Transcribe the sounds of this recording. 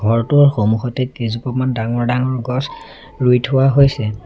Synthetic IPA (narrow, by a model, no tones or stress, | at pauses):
ɡʱɔɹtʊɹxomuxɔtekezupɔmandaŋɔɹdaŋɔɹɡɔs | ɹujtʰʊwaɦojsɛ